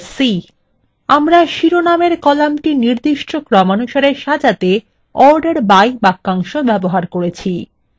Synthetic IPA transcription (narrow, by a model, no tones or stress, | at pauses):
si | amɾaʃiɾonameɾkɔlamʈiniɾd̪iʃʈokɾɔmanuʃaɾeɾʃad͡ʑat̪e | ɔɾɖeɾbajbakːaŋʃobɛboɦaɾkoɾet͡ɕʰi